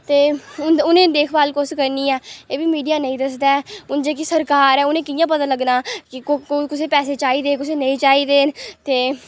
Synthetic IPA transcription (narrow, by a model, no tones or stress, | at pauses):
t̪eːʊnʊnẽːd̪eːkʰbaːlkʊskəɾniːɛːeːbiːmiːɖijaːnəĩːd̪əs̬d̪ɛːʊnd͡ʒeːk̬ɪsəɾkaːɾɛːʊnẽːkɪjãːp̬ət̪ãːləɡnaːkɪkokɪseːpɛːseːt͡ʃaːiːd̪eːkɪseːnəĩːt͡ʃaːiːd̪eːnt̪eː